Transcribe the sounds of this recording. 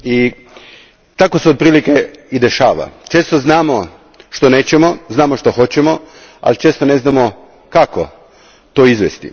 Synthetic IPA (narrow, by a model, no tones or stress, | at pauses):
i | t̪ako̞seod̪̚pɾiːlikeid̪e̞ʃaːʋa̰t͡ʃe̞ːst̪o̞znaːmo | ʃt̪o̞ne̞ːt͡ɕemo̞znaːmoʃt̪oxo̞t͡ɕemo̞ | a̰lit͡ʃeːst̪one̞znamo̞ | kako̰ | t̪o̞ːizʋest̪ḭ